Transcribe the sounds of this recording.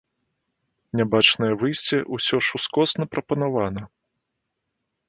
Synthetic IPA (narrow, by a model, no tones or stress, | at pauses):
nʲabat͡ʂnɐjɛvɨjsʲt͡sʲɛʔusʲɔʂuskɔsnɐpɾɐpɐnavanɐ